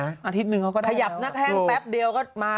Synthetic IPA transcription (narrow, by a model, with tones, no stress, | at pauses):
ʔaː˧t̪ʰi˦˥t̪̚nɯ˨˩ŋʰkʰa˥wkɔ˥˩aa˧˩ja˨˩p̚na˦˥˩k̚hɛː˥ŋpɛ˦˥p̚di˧əwkɔː˥˩maː˧